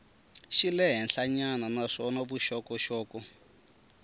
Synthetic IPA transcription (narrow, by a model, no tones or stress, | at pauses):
ʃilɛɦɛnɬaɲananaʂɔnaβuʃɔkɔʃɔːkɔ